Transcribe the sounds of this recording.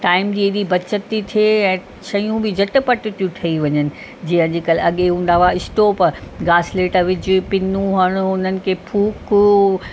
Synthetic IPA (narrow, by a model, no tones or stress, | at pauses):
ʈaːɪmd͡ʑiːeɗibɐt͡ɕət̪ːit̪ʰieɛ̃ː | ʃɐjũbɪd͡ʑɐʈɪpɐʈɪt̪ijũʈ̪ʰɐiʋɐɲənɪ̆ | d͡ʑiːə̃d͡ʑikɐlɪɐɠeɦũːn̆d̪aːʋaɪsʈ̪opɐɾɡaːsleːʈəʋɪd͡ʑɪpɪnũɦaːɽ̃ʊʊnənɪ̆kʰeːpʰuːk